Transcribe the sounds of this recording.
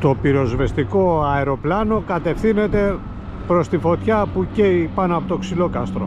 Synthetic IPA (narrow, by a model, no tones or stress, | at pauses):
t̪o̞piɾo̞zve̞st̪iko̞ɐeɾo̞plɐno̞kɐt̪e̞fθine̞t̪e̞ | pɾo̞st̪ifo̞t̪çɐpuceipɐnoɐpo̞t̪o̞ksilo̞kɐst̪ɾo̞